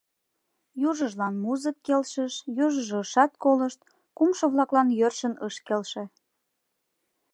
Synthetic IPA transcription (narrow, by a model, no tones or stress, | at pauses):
juʒəʒlɑnmuzəkːelʃəʃjuʒəʒoəʃɑt̪̚koləʃt̪̚ | kumʃoβlɑklɑnjørʃənəʃkelʃe